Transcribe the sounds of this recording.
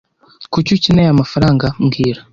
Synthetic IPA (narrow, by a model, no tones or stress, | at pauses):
kucucinejamafaɾaːŋɡamɡiːɾa